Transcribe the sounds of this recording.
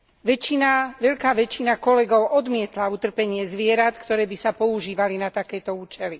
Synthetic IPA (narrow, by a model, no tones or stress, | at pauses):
ʋɛt͡ʃːinaʋɛʎkaːʋɛt͡ʃinakɔlɛɡɔʊʔɔd̪mɪɛt̪laut̪r̩pɛɲɪɛzʋɪɛɾat̪kt̪ɔɾɛːbisapɔuʒiːʋalinat̪akɛːt̪ɔuːt͡ʃɛli